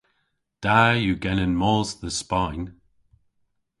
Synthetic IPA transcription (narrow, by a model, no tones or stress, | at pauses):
d̥ajəɡɛnənmɔːzðəspãɪ̃n